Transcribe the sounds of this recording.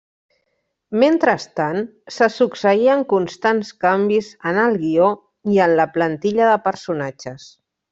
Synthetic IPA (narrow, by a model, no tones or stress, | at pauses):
ment̪ɾəst̪ansəsuksəiəŋkunst̪anskambizənəlˠɣio | iənləplənt̪iʎəðəpəɾsunad͡ʒəs